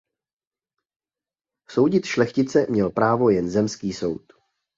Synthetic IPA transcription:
so̞wɟɪt̪ʃlɛxcɪt͡sɛmɲɛlpɾaːvo̞jɛnzɛmskiːso̞wt̪

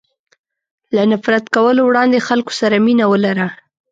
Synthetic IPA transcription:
lanafɾat̪kawəlowɽɑnd̪exalko̥saɾaminawəlaɾa

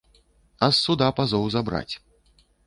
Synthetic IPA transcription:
ɐsːud̪apazɔwzabɾa̰t͡sʲ

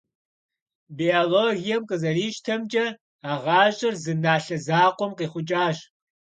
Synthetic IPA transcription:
bioloːɣijɛmqʼəzɐriːʃtʰɐmd͡ʒʼɐ | aːʁɑːʑʼɐrzɨnaːɬɐzaːqʷɔmqiːχʷʊt͡ʃʼaːɕ

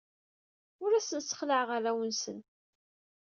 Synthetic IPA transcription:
ʊɾæsənsə̥χləʕʁaɾæwənsən

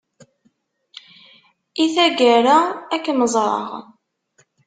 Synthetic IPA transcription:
iθæɡæɾaækːməzˤɾˤə̰ʁ

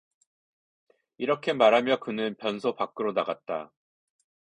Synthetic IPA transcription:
iɾʌkʰe̞maɾɦamjʌkɯnɯnpjʌnsʰopak͈ɯɾonaɡat̚t͈a

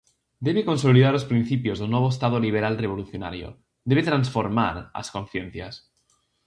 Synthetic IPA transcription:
d̪e̞βeko̞nsoliðaɾospɾin̟θipjozðonwoβ̞oest̪að̞oliβ̞eɾalreβ̞o̞luθjona̰ɾjo̰ | d̪eβet̪ɾansfoɾma̰ɾa̰skõnθjenθjas

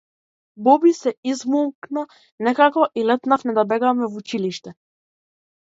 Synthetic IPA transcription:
bɔbisɛizmulˠkna | nɛkakɔʔilɛt̪nafnɛd̪abɛɡamɛvut͡ʃiliʃt̪ɛ

